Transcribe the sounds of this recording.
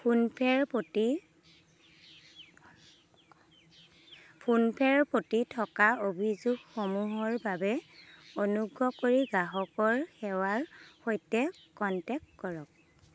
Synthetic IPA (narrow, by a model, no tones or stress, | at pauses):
pʰunpʰɛɹpoti | pʰunpʰɛɹpotitʰɔkaobʱizuɡxomuɦɔɹbabɛonuɡɹɔkoɹiɡaɦɔkɔɹxɛwaɹxojtɛkɔntɛk̚tkɔɹɔk̚